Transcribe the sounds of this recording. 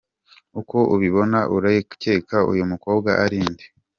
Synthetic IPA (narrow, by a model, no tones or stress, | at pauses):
ukoʔuβiβo̞naʔuɾajeu̥ce̞ːkʰaṵjumuko̞ːbɡaʔaɾiːnde̥